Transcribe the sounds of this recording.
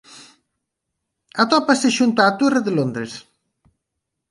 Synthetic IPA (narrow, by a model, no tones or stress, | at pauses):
at̪ɔpaseʃunt̪aːt̪ureðelond̪ɾes